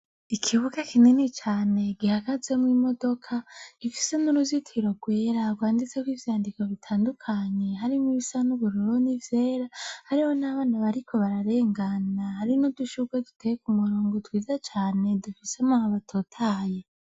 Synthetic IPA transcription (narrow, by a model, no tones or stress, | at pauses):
ikʰiβuɡekʰinenet͡ʃaːne̞ɡihaɡaze̞mŋimo̞do̞kʰaɡ̥ifi̥se̞nuɾuzitʰiɾo̞ɡwe̞ːɾaɡwaːndit͡se̞kwivjaːndikoβitʰaːndukʰaɲe̞ɦaɾimiβisanuβuɾoɾonivje̞ːɾahaɾiho̞naβaːnaβaɾikʰo̞βaɾaɾe̞ːŋɡanahaɾinuduʃuɡwedu̥tʰejekumuɾuːŋɡotwiːzat͡ʃaːne̞dufisemahaβatʰoːtʰaːje